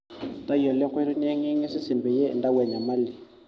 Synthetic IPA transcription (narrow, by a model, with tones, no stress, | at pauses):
t̪a˦jɔ˨lɛ˦ŋkʰwɛ˦ɾu˦n˦ɛ˦ŋi˦ŋi˦si˦si˨mbɛ˨jɛ˦˨nda˦wɛ˨ɲa˨ma˦li˨